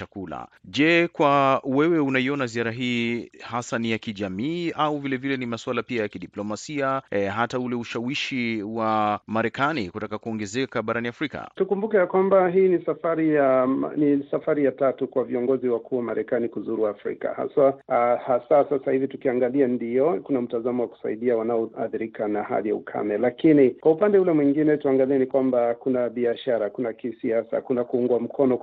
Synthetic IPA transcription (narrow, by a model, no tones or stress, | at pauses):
t͡ʃakula̰ʄɛkwawɛwɛunaiɔnaziaɾaɦiːhasanijakiʄamiːʔauvilɛvilɛnimaswalapiajakiɗiplɔmasiaɦataulɛuʃawiʃiwamaɾɛkanikutakakuɔŋɡɛzɛkaɓaɾaniafɾika̰tukumbukɛjakwambaɦiːnisafaɾija̰nisafaɾijatatukwaviɔŋɡɔziwakʰuːwamaɾʔɛkanikuzuɾuafɾḭka̰ha̰sahasasasahivitukiaŋɡaliɛndiɔkunam̩tazamɔwaku̥sa̰iɗiawanaɔaθiɾikanaha̰lija̰ukʰa̰mɛlakinikwaupandɛulɛmwiŋɡinɛtuaŋɡaliɛnikwambakunaɓiaʃaɾakunakisiasa̰kunakuuŋɡwam̩kʰɔnɔ